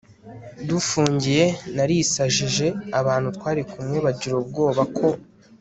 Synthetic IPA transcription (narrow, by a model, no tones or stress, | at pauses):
dufuːɲɟije̞naɾisaʒiʒe̞aβaːn̥hutwaːɾikʰumŋeβaɟiɾob̚ɡo̞ːβakʰo̞